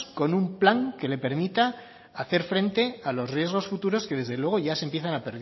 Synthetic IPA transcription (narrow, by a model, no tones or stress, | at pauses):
ko̞numplaŋke̞le̞pe̞ɾmit̪a | aθe̞ɾfɾẽ̞nt̪e̞alo̞srje̞zɣ̞o̞sfut̪uɾo̞ske̞ð̞e̞zðe̞lwe̞ɣo̞ʝasempje̞θanapeɾð